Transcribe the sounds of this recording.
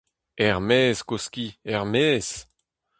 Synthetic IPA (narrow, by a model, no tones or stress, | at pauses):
ɛʁmeːskoskiɛʁmeːs